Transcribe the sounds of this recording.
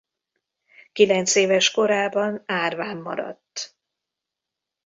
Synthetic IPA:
kilɛnt̪seːvɛʃko̞ɾaːbɒnaːrvaːmːɒ̰ɾɒ̰t̪ː

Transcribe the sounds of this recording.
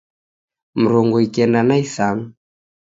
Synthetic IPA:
m̩ɾɔŋɡɔikɛndanaisaŋ̩

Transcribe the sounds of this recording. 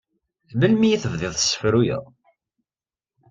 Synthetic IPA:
məlmijiθəvðɪðˤθə̥sːə̥fɾujə̰ðˤ

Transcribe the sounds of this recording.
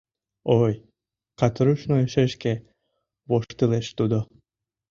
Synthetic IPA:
oj | qɑt̪ɾuʃnojeʃeʃke | βoʃt̪ɯleʃt̪ud̪o

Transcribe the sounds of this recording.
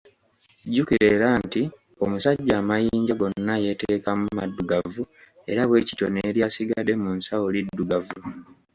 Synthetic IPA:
ɟukiɾe̞ɾanti | o̞musaɟːaːmajiːɲɟaɡo̞nːaje̞teːkamumadːuɡavu | e̞̰ɾaβwe̞ːci̥toneːɾjasiɡade̞munsawolidːuɡavu

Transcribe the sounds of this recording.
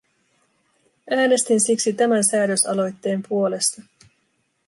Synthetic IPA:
æːne̞st̪insiksit̪æmænsæːdø̞sɑ̰lo̞jt̪ːe̞ːmpuo̞le̞st̪ɑ

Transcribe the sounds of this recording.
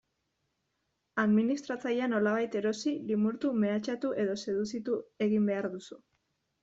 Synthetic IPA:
aðminist̪ɾat͡sajano̞laβ̞ajt̪e̞ɾo̞silimuɾt̪ume̞at͡ʃat̪uʔe̞ðo̞se̞ðut͡sit̪ue̞ɣimbe̞aɾðusu

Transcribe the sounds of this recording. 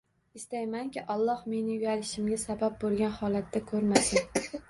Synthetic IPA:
ɪst̪ajmaŋkʲɪʔɒlˠːɒhme̞nɪʊjʲalɪʃɪmɡʲasabab̚bolˠɡʲanhɒlˠat̪ʰːakʰɵɾmasɪn

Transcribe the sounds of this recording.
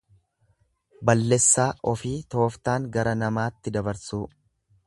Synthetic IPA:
bɐlːɛsːaːʔɔfiːt̪o̞ːft̪aːŋɡɐɾɐnɐmaːt̪ːɪd̪ɐbɐɾsuː

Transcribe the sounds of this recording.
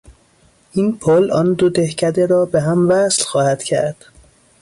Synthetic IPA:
ʔiːnpʰolʔɒːnd̪od̪ehcʰæd̪eɾɒːbeɦæmvæslxɒːhæd̪̥cʰæ̰ɾd̪̥

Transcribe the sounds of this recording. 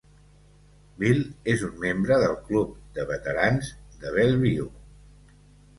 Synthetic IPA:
bilezunmembɾəðəlˠklup̚d̪əβət̪əɾanzd̪əβ̞ɛlˠβiṵ

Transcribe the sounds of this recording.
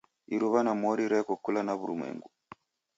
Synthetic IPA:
iɾuβanamɔɾiɾɛkɔkulanaβuɾumwɛ̰ŋɡu

